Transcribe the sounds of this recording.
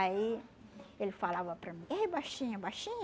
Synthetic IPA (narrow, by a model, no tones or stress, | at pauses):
ai | elɪfalavɐpɾɐmĩejbajʃĩɲɐbajʃĩɲ